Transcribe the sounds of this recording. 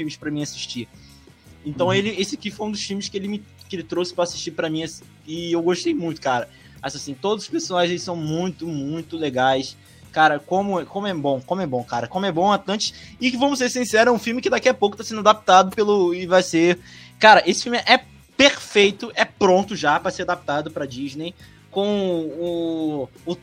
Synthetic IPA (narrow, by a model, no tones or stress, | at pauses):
fĩmɪʃpɾɐmĩasi̥ʃt͡ʃi | ẽt̪ɐ̃w̃elɪesɪakifojũd̪ʊʃfimɪskɪelɪmɪkɪelɪt̪ɾowsɪ̥pɾɐaːsiʃt͡ʃipɾɐmĩɐsĩ̥ | ɪewɡoʃt̪ejmũj̃t̪ʊ̥kaɾɐ | mazasĩt̪od̪ʊzʊʃpesonaʒɪ̃zelɪsɐ̃w̃mũj̃t̪ʊmũj̃t̪ʊleɡajs | kaɾɐkõmʊɛkõmʊɛbõw̃kõmʊɛbõw̃kaɾɐkõmʊɛbõw̃at̪ɐ̃nt͡ʃɪ̥sɪkɪvɐ̃mʊs̬eɾsĩsɛɾʊɛũfiwmɪkɪd̪akiɐpowkʊt̪asẽnd̪ad̪ap̚t̪ad̪ʊpelʊɪvajsekaɾɐʔesɪ̥fiumɪʔɛ | peɾfejt̪ʊʔɛpɾõnt̪ʊʒapɾɐseɾad̪ap̚t̪ad̪ʊpɾɐd͡ʒiʒnej | kõʊ | ʊ